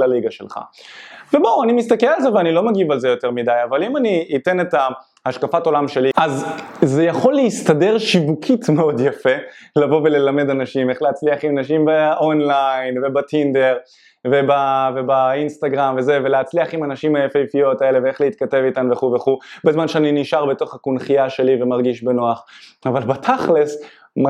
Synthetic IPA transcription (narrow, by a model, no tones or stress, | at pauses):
aliɡaʃelχa̰ve̞bowanimist̪akelalzeveanilo̞maɡivalze̞jo̞te̞ʁmidajavalimaniːte̞neta | haʃkafato̞lamʃe̞liʔazze̞jaχo̞lːeistade̞ʁʃivukʰitmeo̞djafe̞lavo̞ve̞le̞lame̞danaʃimeχleat͡sliaχimanaʃ̬imbaʔonlajnvebatʰind̪eʁ | ve̞bavebainst̪aɡʁamve̞zeveleat͡sliaχimanaʃimhajafejfijo̞tae̞le̞veeχleit̪̚kate̞vitanuveχuveχubezmanʃeaniniʃaʁbeto̞χakunχijaʃe̞live̞maʁɡiʃbenoaχavalbatʰaχles | m